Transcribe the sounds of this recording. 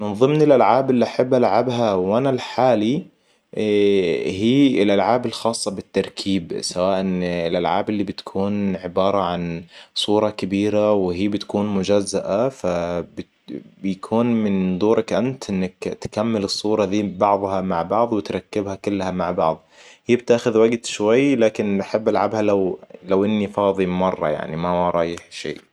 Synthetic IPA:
mɪnðˤɨmnɪlʔalʕaːbʔɪlːiʔaħabːʔalʕabɦawʔanalħaːli | hiːɪlʔalʕaːbɪlxɑːsˤːɑbɪt̪ːɑɾˤkʰiːbsawaːʔnlʔalʕa̰ːbʔɪlːibɪt̪kʰuːnʕɪbɑːɾˤɑʕansˤuːɾˤɑkabiːɾawɪɦiːbɪt̪kuːnmʊd͡ʒazːaʔafab | bɪjakʰuːnmɪnd̪ˤuːɾˤɑkʔant̪ʔɪnːakt̪kamːɪlɨsˤːuːɾˤɑd̪iːbɑʕðˤhɑmaʕbɑʕðˤwɪt̪ɾˤɑkːɪbhakʊlːhamaʕbɑʕðˤhiːbɪt̪aːxʊðwaɡt̪ʃwajːlaːkɪnaħabːʔalʕabhalawlawʔɪnːifɑːðˤimɑrˤːɑ̰ja̰ʕnimaɾˤɑːjɪħʃḭːʔ

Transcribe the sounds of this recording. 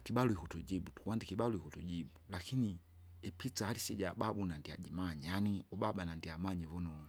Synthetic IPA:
kiɓaluhikutud͡ʒiɓutu̥kuwandikiɓalɔhikutud͡ʒibulakʰini | ɛpʰit͡sahalisɛɟababunandiad͡ʒimaɲɛjaniɔbabanandiamaɲɛvɔnɔ

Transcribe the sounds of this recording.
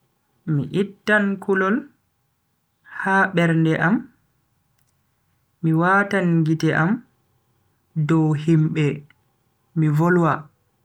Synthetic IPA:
miʔitːankulɔl | haɓɛɾndɛʔam | miwaːtanɡitɛʔam | dɔwhimɓɛ | mivolwa

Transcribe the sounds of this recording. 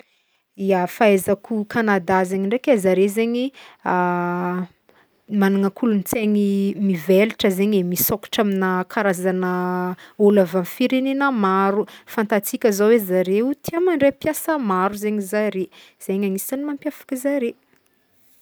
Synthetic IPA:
iafaezakukʰanad̪azeɲiɳɖ͡ʐekezaɾezeɲia | manaŋəkʰulunit͡seɲimiveluʈ͡ʂəzeɲemisoku̥ʈ͡ʂaminəkʰaɾazanəolavanfiɾenenəmaɾufant̪at͡sikʲəzowezaɾewut̪iamaɳɖ͡ʐepjasəmaɾuzeɲizaɾe | z̥eɲaŋisianimampjafḁkʲəzaɾe

